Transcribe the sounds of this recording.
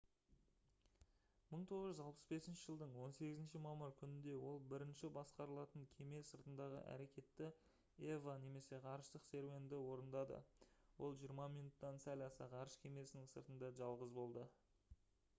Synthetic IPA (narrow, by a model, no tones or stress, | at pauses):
məɴt̪ʰo̞ʁəʒʏzɑlˠpə̥sbe̞sɪnʃɪʒəlˠd̪əɴwo̞nse̞ɡʲɪzɪnʃɪmɑməɾkʲʰʏnɪnd̪e̞wo̞lˠbɪɾɪnʃɪbɑsqɑɾəlˠɑt̪əŋkʲʰe̞me̞səɾt̪ənd̪ɑʁə̰ʔæ̰ɾe̞kʲe̞t̪ːɪ | evane̞me̞se̞qʰɑɾəʃt̪əqse̞ɾve̞nd̪ɪwo̞ɾənd̪ɑd̪ə̰wo̞lˠʒijəɾmɑmijnut̪ːɑnsælʲɑsɑ̰ʁɑɾəʃkʲʰe̞me̞sɪnɪŋsəɾt̪ənd̪ɑʒɑlˠʁəzbo̞lˠd̪ə